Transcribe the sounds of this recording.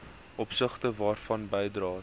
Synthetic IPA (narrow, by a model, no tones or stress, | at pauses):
ʔɔpsəχtəvɑːrfɐnbɛjdrɑː